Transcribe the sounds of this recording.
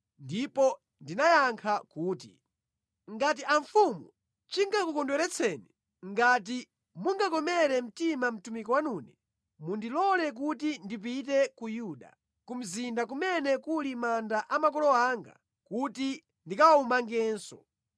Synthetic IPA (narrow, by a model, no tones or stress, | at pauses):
ndipɔ | ndinajaŋkʰakuːti | ŋɡat̬iʔaɱfumu | t͡ʃiŋɡakukɔndwɛɾɛt͡sʰɛːnɛ | ŋɡat̬i | muŋɡakɔmɛɾɛm̩timam̩tumikɔwanuːnɛ | mundilɔlɛk̬utindip̬it̬ɛkujuɗa̰ | kum̩zindakumɛnɛkulimandaʔamakɔlɔaːŋɡa̰ | kuti | ndikawumaŋɡɛːnsɔ